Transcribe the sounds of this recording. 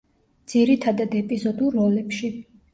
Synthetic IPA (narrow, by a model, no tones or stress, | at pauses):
d̪z̥iɾit̪ʰad̪ad̪ɛpʼizɔd̪ulˠːɔlɛpʃi